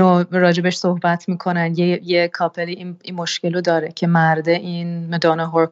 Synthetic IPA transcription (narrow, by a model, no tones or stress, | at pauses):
oɾɒːd͡ʒebeʃsohbæt̪ʰmiːkʰo̞nænjejekʰɒːpʰeliininmo̞ʃcelod̪ɒːɾecʰe̞mæɾd̪eʔinmed̪ɒːneɦoɾ